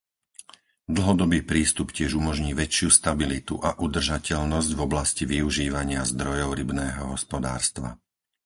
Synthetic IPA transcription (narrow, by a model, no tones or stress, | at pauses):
d̪l̩ˠɦɔd̪ɔbiːpɾiːst̪upcɪɛʒumɔʒɲiːʋɛt͡ʃɪust̪abilit̪uʔaʔud̪r̩ʒacɛʎnɔzɟvɔblasciʋiuʒiːʋaɲɪazd̪ɾɔjɔʊɾibnɛːɦɔɦɔspɔd̪a̰ːɾst̪ʋa̰